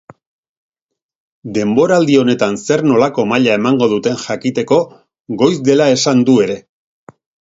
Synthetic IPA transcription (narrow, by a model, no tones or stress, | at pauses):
d̪e̞mbo̞ɾald̪io̞ne̞t̪anse̞ɾno̞lako̞maʎae̞maŋɡo̞ðut̪e̞nʝakit̪e̞ko̞ | ɣo̞jzd̪e̞lae̞sand̪ue̞ɾe̞